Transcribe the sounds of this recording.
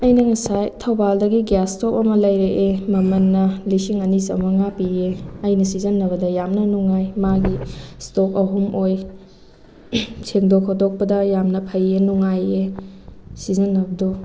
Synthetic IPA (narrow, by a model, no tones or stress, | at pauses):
ɐjnɐŋɐsajtʰɐwbaldɐɡiɡastopɐmɐlɐjɾeʔemɐmɐnːɐlisiŋɐnisɐ̰mɐŋapieɐjnɐsizɐnːɐbɐdɐjamnɐnuŋajmaɡistok̚ɐɦumoj | sʰeŋdokʰːodok̚pɐdɐjamnɐpʰɐjenuŋaje | sizɐnːɐbɐdo